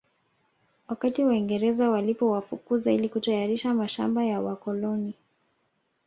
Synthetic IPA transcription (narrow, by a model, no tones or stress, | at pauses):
wakatiwaiŋɡɛɾɛzawalipɔwafukuzailikutajaɾiʃamaʃambajawakɔlɔni